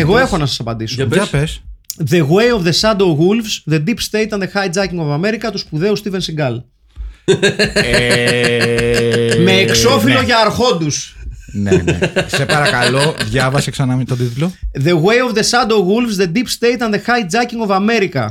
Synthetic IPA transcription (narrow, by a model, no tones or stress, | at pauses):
eɣo̞e̞xonɐsɐsɐpɐnd̪isoɐpesðe̞ɣwejovðesɐd̪oɣulvsðe̞d̪ipst̪ejt̪ɐnðexɐjd͡zɐciŋɡo̞vɐme̞ɾikɐt̪uspuðe̞ust̪ivensiɡɐl | me̞ːkso̞filo̞ʝɐːɾxo̞d̪usnḛsepɐɾɐkɐlo̞ðʝɐvɐsiksɐnɐmit̪od̪it̪loðe̞ɣwejovðe̞sɐnd̪oɣulvzðed̪ipst̪ejt̪ɐnðexɐjd͡zɐciŋɡovɐme̞ɾikɐ